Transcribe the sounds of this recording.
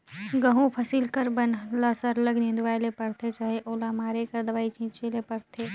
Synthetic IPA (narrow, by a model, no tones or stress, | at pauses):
ɡəɦũpʰɐsilkəɾbənlasəɾləɡnĩnd̪ʋaːjlepɐɽt̪ʰet͡ʃaːɦeʔoːlamaːɾekəɾd̪ɐʋaːit͡ʃĩːt͡ʃelepɐɾt̪ʰeː